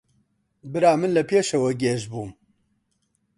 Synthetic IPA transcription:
bɨɾaːmɨnlɐpʰeːʃɐwɐɡeːʒbuːm

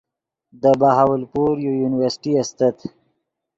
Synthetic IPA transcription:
d̪əbaɦawəlpuɾjojunɪwəɾsʈiast̪at̪

